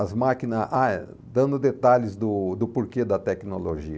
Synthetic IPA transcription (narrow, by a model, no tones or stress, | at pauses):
ɐzmakinɐa | d̪ɐ̃nd̪ʊd̪et̪aʎɪzd̪ʊd̪ʊpoɾked̪ɐt̪ɛknoloʒiɐ